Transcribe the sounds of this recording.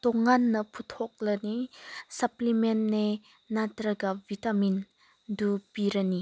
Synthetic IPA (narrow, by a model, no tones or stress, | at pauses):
t̪ɔŋːanːɐpʰut̪ʰɔk̚lənisɐplimenne | natɾɐɡavitamin | dupiɾɐni